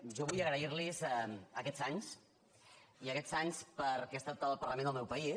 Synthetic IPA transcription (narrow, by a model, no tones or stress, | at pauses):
ʒɔβujəɣɾəiɾlizəkɛz̥aɲs | iəkɛz̥aɲspəɾkest̪at̪əlˠpərləmẽnd̪əlˠmɛwpəi